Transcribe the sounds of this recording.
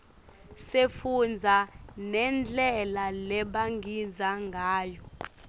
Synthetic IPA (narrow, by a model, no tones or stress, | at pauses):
sefund͡zʱanɛnd͡ɮʱɛlalɛɓaŋid͡zʱaŋɡʱaːjɔ